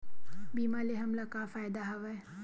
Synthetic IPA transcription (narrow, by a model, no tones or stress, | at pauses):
biːmaleɦɐmlakafaːjd̪aɦɐʋɛ